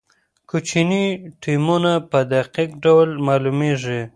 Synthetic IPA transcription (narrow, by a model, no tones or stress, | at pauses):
kut͡ʃiniʈimunapəd̪aqikɖawlmɑlumeʐi